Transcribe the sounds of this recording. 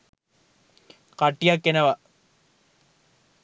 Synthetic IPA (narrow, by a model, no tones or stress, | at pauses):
kaʈːijakːenəʋa